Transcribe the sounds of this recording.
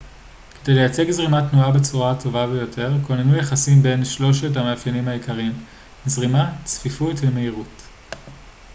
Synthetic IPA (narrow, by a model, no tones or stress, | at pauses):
ke̞de̞jle̞jat͡se̞ɡzʁimatnuabet͡suʁatʰo̞vabejo̞tʰe̞ʁkonenujaχasimbe̞nʃlo̞ʃ̬etamaːfjanimhaikaʁim | zʁimat͡sfifutvemeiʁut